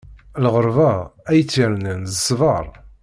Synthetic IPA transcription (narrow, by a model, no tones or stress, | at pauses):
lʁəɾˤvææjət͡sːiɾnənzəsvəɾˤ